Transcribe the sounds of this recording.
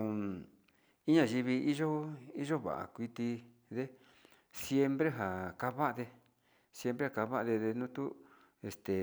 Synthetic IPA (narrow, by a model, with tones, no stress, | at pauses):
i˦ɲã˧˨ʒi˧βi˧i˦ʒo˦i˦ʒo˦βa̰˨ʔa̰˨kʷi˧t̪i˧ | ðe˦ | sje˦mbɾe˦ɦa˨ka˦βa˦ʔa˧ðe˧ | sje˦mpɾe˦ha˨ka˧βa˦ʔa˧ðe˧ðe˧nũ˦t̪u˦ | e˧st̪e˨